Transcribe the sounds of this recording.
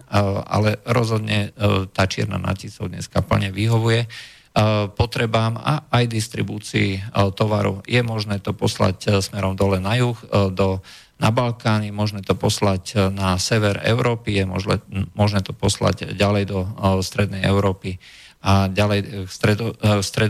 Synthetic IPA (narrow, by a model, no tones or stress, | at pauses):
a̰lɛɾɔzɦɔd̪ɲɛt̪aːt͡ʃɪɛ̰ɾna̰na̰cisɔʊd̪ɲɛ̰skapl̩ɲɛʋiɦɔʋujɛ | pɔt̪ɾɛbaːma̰ajd̪ist̪ɾḭbuːt͡siit̪ɔʋaɾɔ̰jɛmɔʒnɛːt̪ɔpɔsla̰csmɛɾɔmd̪ɔlɛnajuxd̪ɔ | nabalkaːnijɛmɔʒnɛːt̪ɔpɔsla̰cnasɛʋɛɾɛ̰ʊɾɔːpijɛmɔɛmɔʒnɛːt̪ɔpɔsla̰ɟɟalɛjd̪ɔst̪ɾɛd̪nɛjɛʊɾɔːpi | ʔaɟalɛjkst̪ɾɛd̪ɔst̪ɾɛ